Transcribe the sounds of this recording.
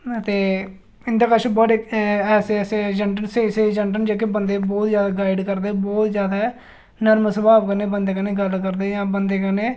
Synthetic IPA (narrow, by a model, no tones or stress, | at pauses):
ət̪eː | ɪnd̪aːkəʃbɔɖeɛːseɛːsed͡ʒəɳɖənseːseːd͡ʒəɳʈənd͡ʒeːk̬eːbənd̪eːbɔːt̪zjaːd̪aːɡaːɪɖkəɾd̪eːbɔːt̪zjaːd̪a | nəɾmsəbaːbkənẽːbənd̪eːkəneːɡəlkəɾd̪eːjãːbənd̪eːkəneː